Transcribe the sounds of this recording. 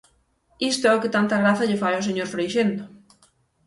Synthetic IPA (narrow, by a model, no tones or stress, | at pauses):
ist̪oɛokɪt̪ant̪aɣɾaθɐʎefajɔos̬eɲoɾfɾejʃend̪ʊ